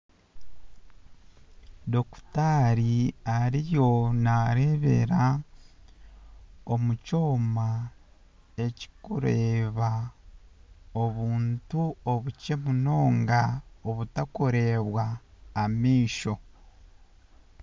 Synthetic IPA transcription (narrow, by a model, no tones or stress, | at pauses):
do̞ku̥taːɾiaɾijo̞naɾe̞βe̞̰ɾa | o̞muco̞ːma | e̞ci̥kuɾeːβa | o̞βuːntuoβuce̞muno̞ːŋɡaoβutakoɾe̞ːβwaːmiːʃo̞